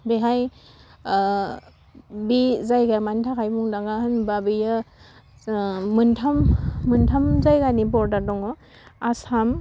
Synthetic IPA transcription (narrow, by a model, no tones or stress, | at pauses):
beɦaj | bizajɡamantʰakʰajbuŋdaɡahɯnbabɯja | mɯntʰamːɯntʰamzajɡanibɔɾdaɾdɔŋɔ | asam